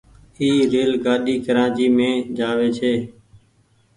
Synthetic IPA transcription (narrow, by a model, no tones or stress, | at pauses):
iːɾeːlɡaːɗiːkəɾãːd͡ʒiːmẽːd͡ʒaːʋeːt͡ʃʰeː